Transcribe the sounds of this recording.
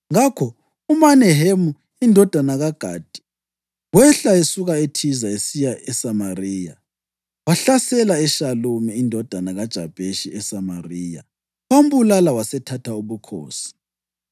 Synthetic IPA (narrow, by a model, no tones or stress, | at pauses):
ŋakʰɔ | umanɛɦemu | indʱɔd̥ʱanaɣaɡ̥ʱaːd̥ʱi̥ | wɛɬaesuɣaetʰizaesijaʔɛsamariːja̰ | waɬasɛlaɛʃalumiːndʱɔd̥ʱanaɣad̥ʒ̥ʱab̥ʱeʃiɛsamariːja̰ | om̩βulalawasɛtʰatʰauβukʰo̰ːsi̥